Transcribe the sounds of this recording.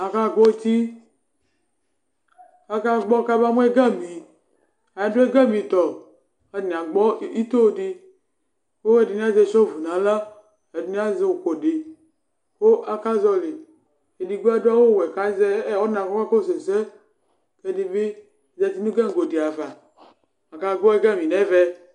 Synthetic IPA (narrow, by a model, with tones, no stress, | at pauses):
a˨ka˦˨ɡɔ˦t̪i˦ | a˨ka˦ɡ͡bɔ˦ka˦ba˦mu˦e˦ɡɛ˦mĩ˨ | a˨a˨do˦e˦ɡɛ˦mĩ˨t̪ɔ˨ | a˨ni˨a˨ɡ͡bɔ˦i˦t̪o˦˨di˦ | ko˦e˦di˨n˦a˦ze˦˨ʃɔ˦vu˨nã˨la˦ | e˨du˨˦ni˦a˦ze˦wo˨ko˨de˨ | ko˦ʔa˦ka˦zɔ˦le˨ | e˨di˨ɡu˦a˦do˦a˦wo˦˨wɛ˨ka˨˦zɛ˦ɔ˦nã˨kɔ˦ka˦ko˦˨se˨sɛ˦ | ke˦di˨be˦˨ | zɛ˨˦˨t̪i˦nũ˦ɡɛ˦ŋ̩˨ɡo˨di˨a˨va˨ | a˨ka˨ɡ͡bɔ˦e˦ɡa˦˨mĩ˨nɛ˦vɛ˦